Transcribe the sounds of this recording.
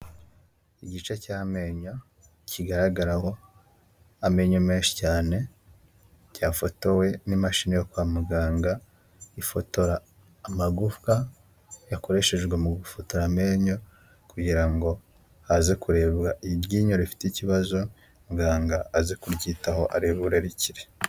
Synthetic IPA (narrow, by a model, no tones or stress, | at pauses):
iɟit͡ʃecaːme̞ːɲo̞ | ciɡaɾaɡaɾaho̞ | ame̞ːɲo̞me̞ːnʃi̥caːne̞ | caːfo̞to̞we̞nimaʃinejokwaːmuɡaːŋɡa | ifo̞to̞ɾaː | maɡufka | jako̞ɾe̞ʃe̞ʒɡwe̞muɡufo̞to̞ɾame̞ːɲo̞ | kuɟiɾaŋɡo̞ | hazekuɾe̞βɡaʔiβɟiːɲoɾifi̥ticiβazo̞ | muɡaːŋɡaazekuɾɟiːtaho̞ʔaɾeβuɾeɾeciɾe